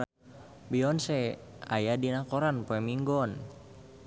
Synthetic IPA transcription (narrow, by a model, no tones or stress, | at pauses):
biɔnsɛa̰jadinakɔɾanpoɛmiŋɡɔn